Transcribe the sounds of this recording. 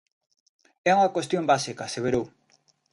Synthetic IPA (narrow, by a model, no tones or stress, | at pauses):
ɛuŋɐkwest̪jombasikɐseβeɾow